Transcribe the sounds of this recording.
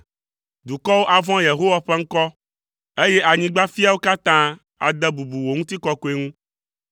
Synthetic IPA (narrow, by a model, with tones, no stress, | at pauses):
d̪u˨kɔ˦wo˦ʔa˨vɔ̃˦je˨ɦo˦wa˨ɸɛ˦ŋ̩˦kɔ˦ | e˦je˦ʔa˨ɲĩ˦ɡ͡ba˦fi˦a˦wo˦ka˦t̪ã˦ | a̰˨d̪ɛ˦bu˨bu˨wo˨ŋũ˦t̪i˦kɔ˦ko˦e˦ŋũ˦